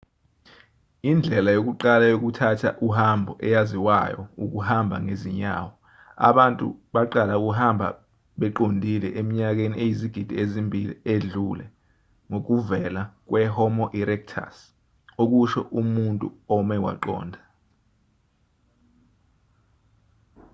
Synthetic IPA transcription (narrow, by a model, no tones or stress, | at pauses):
ind͡ɮʱɛlajok̬uǃalajok̬utʰatʰa̰ʔuhambʱɔʔɛjaziwajɔ̰uk̬uhambʱa̰ŋeziɲa̰wɔ | a̰ɓantʼṵɓaǃalauk̬uɦambʱa̰ | ɓɛǃondʱilɛʔemiɲak̬eniʔejiziɡ̥ʱid̥ʱiezimbʱilḭeɮulɛ | ŋok̬uvɛlak̬wɛhɔmɔʔiɾɛk̚tʰa̰s | ok̬uʃɔʔumuntʼṵɔmɛwa̰ǃɔ̰ːndʱa